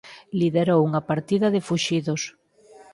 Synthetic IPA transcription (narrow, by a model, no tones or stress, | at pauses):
liðeɾowuŋɐpaɾt̪iðɐðɪfuʃiðos